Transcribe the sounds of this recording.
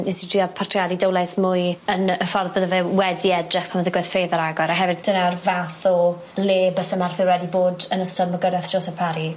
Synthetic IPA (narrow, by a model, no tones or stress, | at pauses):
ɪnsdiɔpʰartʰrjadidowlˠɛsmʊɨənəfɔrðbəðəvɛwɛdiɛdrɪχpʰaməðəɡɨð̥fejðɔɾaɡɔɾɔɦɛvɨd̚d̥ənarvaθɔ | leːbəsəmarθɪwɾwɛdiboːdənəstəməɡədɛθd͡ʒ̥osapʰaɾi